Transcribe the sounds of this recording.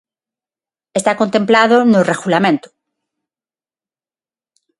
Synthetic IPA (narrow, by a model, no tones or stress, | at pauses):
est̪akont̪emplaðonoreɣulamẽnt̪o̥